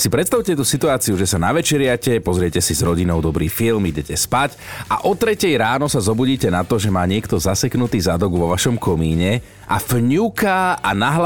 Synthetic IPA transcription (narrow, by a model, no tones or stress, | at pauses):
sipɾɛt̪st̪aʊcɛt̪usit̪uaːt͡siuʒɛsanaʋɛt͡ʃɛɾɪacɛpɔzɾɪɛcɛsizɾɔɟinɔʊd̪ɔbɾiːfilmiɟɛcɛspac | aʔɔt̪ɾɛcɛjɾaːnɔsazɔbuɟiːcɛnat̪ɔʒɛmaːɲɪɛkt̪ɔzasɛknut̪iːzad̪ɔɡʋɔʋaʃɔmkɔmiːɲɛ | ʔa̰fɲukaanaɦl